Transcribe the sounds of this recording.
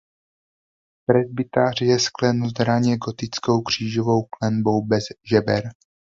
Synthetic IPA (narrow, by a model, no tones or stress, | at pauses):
pɾɛzbɪt̪aːr̝jɛsklɛnuzd̪ɾaɲɛɡo̞t̪ɪt͡sko̞wkr̝̥iːʒovo̞wklɛnbo̞wbɛzʒɛbɛ̰ɾ